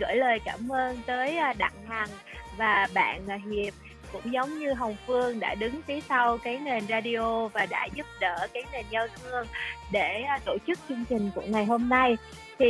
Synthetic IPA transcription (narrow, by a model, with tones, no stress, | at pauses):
ɣə̰ː˧˥jləː˨˩jkaː˧˩mʔəː˧nt̪əː˨˦jʔɗa̰˧˨ŋha˨˩ŋ | vaː˨˩ɓa̰ː˧˨n˩ɦi˨˩əp̚ | kʊ̰˧˥ŋ͡mzə˨˦wŋ͡mɲɨ˧ɦə˨˩wŋ͡mfɨ˧əŋɗa̰ː˧˥˩ɗɨ˨˦ŋfi˨˦sa˧wkaː˨˦jne˨˩nzaː˧ɗi˧ʔo˧vaː˨˩ɗa̰ː˧˥zu˦˥p̚ɗəː˧˩kaː˨˦jne˨˩nza˧wt̪ʰɨ˧əŋɗe˧˩˧t̪o˧˩t͡ɕɨ˦˥k̚t͡ɕɨ˧əŋt͡ɕï˨˩ŋ̟ku˧˩əŋa˨˩jɦo˧mna˧j | t̪ʰi˨˩